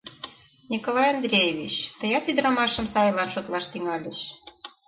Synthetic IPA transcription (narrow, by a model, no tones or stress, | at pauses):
nʲikolɑjɑnd̪ɾʲejeβʲit͡ɕt̪əjɑt̪yd̪ɾɑmɑʃə̆msɑjlɑnʃot̪lɑʃt̪iŋɑlʲeʃ